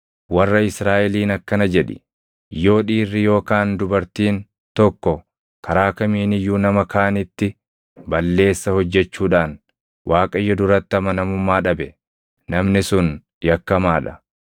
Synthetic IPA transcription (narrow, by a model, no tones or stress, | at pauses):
wɐrːɐɪsɾaːʔɛliːnɐkːɐnɐd͡ʒɛᶑɪ̰ | jo̞ːᶑiːrːɪjo̞ːkaːnd̪ʊbɐɾt̪iːn | t̪ɔkːɔ | kʰɐɾaːkɐmiːnɪjːuːnɐmɐkʰaːnɪt̪ːɪ | bɐlːe̞ːsːɐhɔd͡ʒːɛt͡ʃːuːᶑaːn | wʔaːkʼɐjːɔd̪ʊɾɐt̪ːɐmɐnɐmʊmːaːᶑɐbɛ | nɐmnɪsʊn | jɐkːɐmaːᶑɐ̥